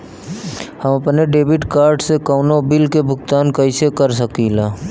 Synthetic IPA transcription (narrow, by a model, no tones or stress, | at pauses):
hɐmɐpneɖeːbɪʈkaːɾɖsekaʊnobɪlkebʱʊkt̪aːnkɐisekəɾsəkilaː